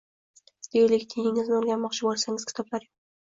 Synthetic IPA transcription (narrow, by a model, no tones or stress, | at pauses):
d̪̥eɾlɪkʲt̪ʰejɪŋɪznɪoɾɡʲanmɒqt͡ʃʰɪbolsaŋɪzkʲʰɪ̥t̪ʰɒblaɾjo